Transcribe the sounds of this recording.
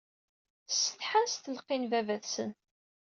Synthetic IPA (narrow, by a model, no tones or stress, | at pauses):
sə̥θħasθəlqːinvævæθsə̰n